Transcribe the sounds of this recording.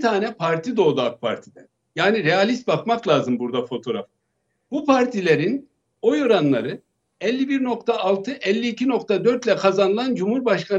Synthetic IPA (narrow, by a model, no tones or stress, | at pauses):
t̪ʰaːnɛpʰaɾt̪ʰid̪o̞ːd̪aːk̚pʰa̰ɾt̪ʰid̪ɛn | jaːniɾɛjalʲist̪̚bakmaklˠaːzɯmbuɾd̪afo̞t̪ʰo̞ɾa̰f | b̥upʰaɾt̪ʰilʲeɾin | o̞joɾanlˠaɾɯ | ɛlʲːibiɾno̞kt̪ʰaːlˠt̪ʰɯʔɛlʲːiːcʰino̞kt̪ʰad̪ø̞ɾt̪lʲɛkʰazanɯlˠand͡ʒumhuɾbaʃkʰan